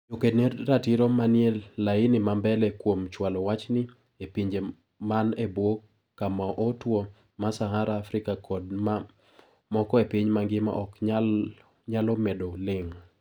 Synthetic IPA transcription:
jokenerːatiɾɔmaniɛlːainɪmambɛlɛkwomt͡ʃwalɔwat͡ʃnɪ | epiɲd͡ʒe | manebwokː | amaʔotwo | masaɦaɾaːfɾɪkakʰɔdma | mɔkɔepiɲmaŋɡɪma̰ʔɔka | ɲalɔmedolɪŋ

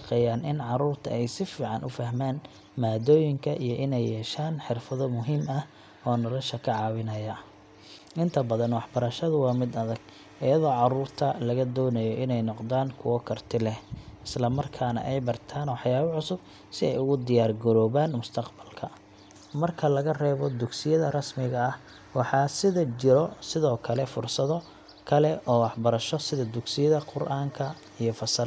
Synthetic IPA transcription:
ʃqɛjaːnɪnʕɑɾuːrt̪ʰɐɛjsɪfiːʕɑnʔʊfɐhmaːn | maːd̪ɔːjɪŋkʰɐʔijɔʔɪnɛjːɛːʃaːnħɪrfɐðɔmʊɦiːmɐh | ɔːnɔlɐʃɐkʰɐʕɑːwɪnɐjɐ | ʔɪnt̪ʰɐbɐðɐnwɑħbɐɾɐʃɐðʊwɑːmɪd̪ɐðɐɡ | ʔɪjɐðɔːʕɑɾuːrt̪ʰɐlɐɣɐd̪ɔːnɐjɔʔɪnɛjnɔqd̪aːnkʰʊwɐkʰɐrt̪ʰɪlɛhɪslɐmɐrkʰaːnɐ̰ʔɛjbɐrt̪ʰaːnwɑħjaːβɐʕʊsʊb̚ | sɪɛjʊɣʊd̪ɪjaːrɡʊɾɔːβaːnmʊst̪ʰɐqbɐlkʰɐ | mɐrkʰɐlɐɣɐrɛːβɔd̪ʊɡsɪjɐðɐrɐsmɪɣɐːh | wɑħɑːsɪðɐt͡ʃɪɾɔsɪðɔːkʰɐlɛfʊrsɐðɔ | kʰɐlɛʔɔːwɑħbɐɾɐʃɔsɪðɐd̪ʊɡsɪjɐðɐqʊrʔaːŋkʰɐ | ijɞfɐsɐl

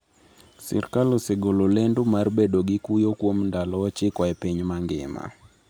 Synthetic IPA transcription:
sɛ̰rkalosɛɡololendumarbedoɡɪkujokwomndalɔt͡ʃɪkwɔɛpiɲmaŋɡɪ̰ma̰

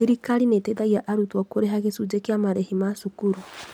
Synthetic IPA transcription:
eɾikaɾineteðaiaʔaɾutwakoɾeɦaɣesud͡ʒekjamaɾɛhimasukuɾu

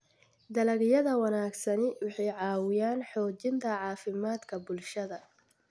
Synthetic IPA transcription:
d̪ɐlɐɣɪjɐðɐwɑnaːɡsɐnɪwɑħɑjʕɑːwɪjaːnħɔːt͡ʃɪnt̪ʰɐʕɑːfɪmaːd̪kʰɐbʊlʃɐðɐ

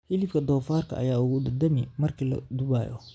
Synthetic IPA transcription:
hɪlɪfkʰɐd̪ɔːfaːrkʰɐ̰ʔɐ̰jaːʊɣʊd̪ɐd̪ɐmɪmɐrkʰiːlɐ̰d̪ʊβa̰ːjɔ̰

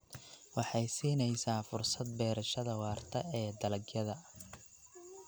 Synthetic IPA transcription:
wɑħɑjsiːnɛjsaːfʊrsɐd̪̚bɛːɾɐʃɐðɐwɑːrt̪ʰɐɛːd̪ɐlɐɡjɐðɐ

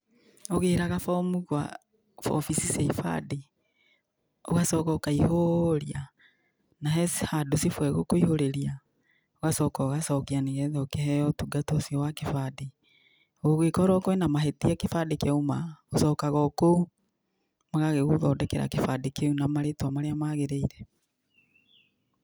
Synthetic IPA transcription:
oɣeɾaɣafɔmuɣwa̰ | fɔ̰fisiseifa̰de | o̰ɣasɔkɔokaihoɾia | naɦɛshadosifwɛɣokoihoɾeɾia | oɣasɔkɔɣasɔkianeɣɛðɛokehɛjɔtuɡatɔsiɔwakefade | oɣekɔɾɔkoenamaɦetiakefadekeomaosɔːkaɣɔko | maɣaɣeɣoðɔːdɛkɛɾa̰kefadekeunamaɾetwamaɾeamaɣeɾeiɾɛ

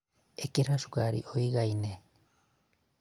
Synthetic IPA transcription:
ekeɾaʃu̥kaɾḭʔoiɣaine

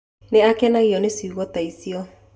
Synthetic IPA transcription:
neakɛnaɣiɔnesiɣɔtaisiɔ

